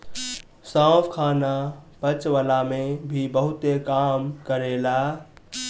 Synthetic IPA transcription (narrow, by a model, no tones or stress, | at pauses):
sãpʰkʰaːnabət͡ʃʋəlamẽbʱibəɦʊt̪ekaːmkəɾela